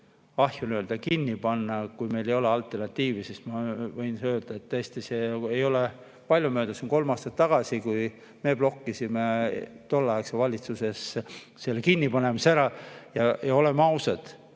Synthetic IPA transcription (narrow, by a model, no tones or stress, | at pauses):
ɑhjunøld̪ɑkinʲːipɑnːɑkujme̞jle̞jo̞le̞ɑlt̪ˑːe̞rnɑt̪ʲːiːvisismɑvɤjnsøːld̪̥ɑet̪ːøːst̪iseejo̞le | pɑlʲjumøːd̪̥ɑsinko̞lmɑːst̪ɑt̪ːɑɡ̥ɑsikuj | me̞ːb̥lo̞kːisimet̪o̞lːɑeksevɑlʲit̪suse̞s | se̞lːekinʲːipɑne̞mɑseæɾɑjɑjɑo̞lemɑwsɑd̪̥